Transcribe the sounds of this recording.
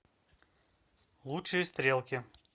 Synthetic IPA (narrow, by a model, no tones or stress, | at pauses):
lˠuʂɨjəst̪ɾʲe̞lˠkʲɪ